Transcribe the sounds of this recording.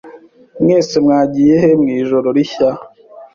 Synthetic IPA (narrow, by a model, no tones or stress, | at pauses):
mŋeːsemŋaːɟijeɦemŋiːʒo̞ɾoɾiça